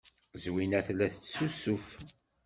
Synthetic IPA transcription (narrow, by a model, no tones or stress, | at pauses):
zwinæθlæθət͡sːsusuf